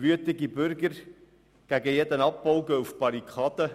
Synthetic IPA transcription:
ʋyət̪ɪɡibʏɾɡəɾ | ɡ̥æɡəjɛd̪ənɑp̚bɔʊɡəufb̥ɑɾikχɑːd̪ə

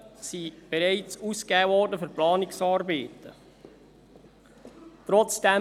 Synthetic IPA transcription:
sib̥ɛɾɛɪt͡suskɛːvɔːɾdəfʏɾplɑːnɪksɑːɾbɛːtə̰ | t̪ɾɔt͡sd̥ɛ

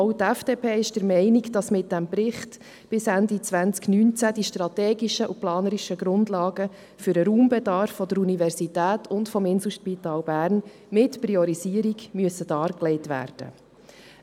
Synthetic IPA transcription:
ɔʊt̪æfd̥eːpʰeːɪʃd̥əɾmɛɪniɡd̥ɑsmɪt̚dæmbɾɪχt | b̥ɪsændit͡sʋænt͡sknyːnt͡sæd̥iʃtɾɑtɛːɡiʃəʔuplɑːnəɾiʃəɡɾʊndlɑːɡə | fʏɾəɾuːmbɛdɑɾfːɔd̪əɾunivɛrsitæːtʰʊntfɔmɪnsl̩ˠʃpit̪ɑːlbæːrn | mɪtpriɔɾiziːəɾiɡmyəsəd̥ɑːɾklɛɪtʋæ̰ːɾd̥ə̰

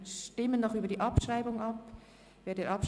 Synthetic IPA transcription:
ʃtɪmənːɔχyːbɐdiːʔɑpʃraɪbʊŋɑp | veːdeːɹʔɑpʃ

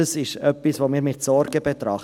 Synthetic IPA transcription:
əsɪʃœpːisvoːmiːɾmɪtsɔɾɡəbɛt̪ɾɑχ

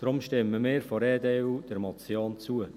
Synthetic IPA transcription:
d̥ɾʊmʃtɪmːəmɪːɾfɔɾeːdeːuːd̥əɾmɑt͡sioːnt͡suə

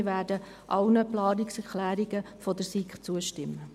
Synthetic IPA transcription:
ʋæːrdə | ʔɑlnəplɑːnɪksɛɾkʰlæːɾiɡəfɔdəɾsikχt͡suəʃtɪmːə

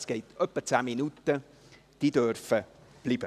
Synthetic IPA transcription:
sɡ̥ɛɪtœpːət͡sæːminutə | d̥idøɾfə | b̥liːb̥ə

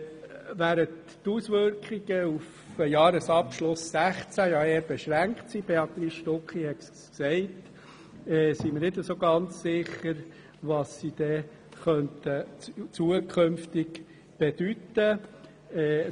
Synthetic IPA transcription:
ʋæːɾət | tusʋʏɾkχiɡ̥əuf | əjɑːɾəsɑpʃlʊsːæχt͡sæjɑeːɾb̥ɛʃɾæŋktsib̥eɑt̪ɾiːsʃtokχihɛt̪ssksɛɪt | ɛːsiməɾnɪdəsoɡɑnt͡ssɪχəɾ | ʋɑsːid̥̪ɛ | χœntət͡suəkʰχømft̪ɪk | b̥ed̥ytːə | ɛː

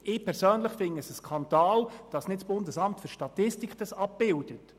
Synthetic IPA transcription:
ɪːpʰɛɾsøːnləχfɪnəsəskʰɑnd̥ɑːld̥ɑsnɪtsb̥ʊndəsɑmtføɾʃtɑtɪstikd̥ɑsɑp̚b̥ɪld̥ət

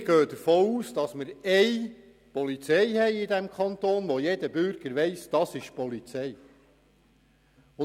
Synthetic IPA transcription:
ɡ̥øːd̥̪əɾfoːuːsd̥ɑsməɾɛɪ | pɔlit͡sɛɪhɛɪɪdæmkχɑnt̪oːnʋɔjɛdəbʏɾɡ̥əɾʋɛɪsd̥ɑsɪʃpɔlit͡sɛj | ʊ

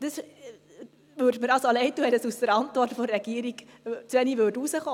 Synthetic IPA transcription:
d̥əs | ʋøːɾdməɾɑlsoɑlɛɪtuɛləsusəɾɑntʋɔrtfoɾːɛɡ̥iəɾikt͡sʋɛniʋødusəχoː

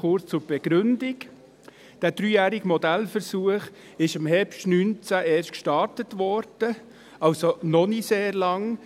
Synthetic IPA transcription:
ʊɾt͡st͡sʊɾb̥ɛɡ̥ɾʏndɪɡ | d̥æːd̥ɾyːjæːɾɪɡəmɔdælfəɾsuəχ | ɪʃɑmhɛpʃtnyːnt͡sæʔeːɾʃtkʃtɑɾtətʋɔɾd̥ə | ɑlsonɔniseːɾlɑŋ

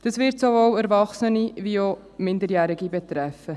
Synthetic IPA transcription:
d̥ɑsvɪɾtsovowɛɾvɑχsənivio | mɪndəɾjæːɾɪɡibɛt̪ɾɛfːə

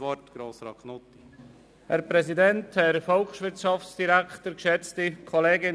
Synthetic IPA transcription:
ʋɔtɡ̥ɾoːsɾɑknot̪i | hæɾpɾɛzidɛnthɛɾfɔlkʃʋɪɾtʃɑfsd̥iɾæktəɾkʃɛt͡stikʰoleːɡɪn

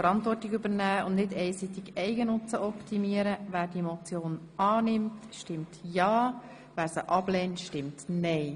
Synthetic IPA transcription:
fəɾɑntʋɔrtɪɡybəɾnæːʊndnɪdɛɪsit̪ɪɡɛɪɡənʊt͡səʔɔptʰimiəɾəvæːɾd̥imot͡sjoːnɑːnɪmtʃtɪmtjɑː | væːɾsəʔɑblɛːntʃtɪmtnɛɪ

